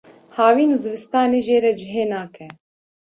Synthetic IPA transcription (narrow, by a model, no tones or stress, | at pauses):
haːwiːnuːzɨvɨst̪aːneːʒeːɾɛd͡ʒɪɦeːnaːkʰɛ